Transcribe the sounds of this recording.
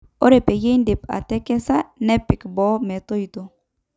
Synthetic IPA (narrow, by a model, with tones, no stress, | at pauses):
o˦ɾe˨pe˨je˦i˦nde˨pa̰˨tɛ˦kɛ˦sa˦nɛ˦pi˨kbɔ˦mɛ˨to˦i˨to˨